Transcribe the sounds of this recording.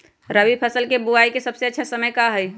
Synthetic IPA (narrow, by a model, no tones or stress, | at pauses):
ɾəʋipʰəsəlkebuaikesəbseətːʃʰasəməjkaɦəj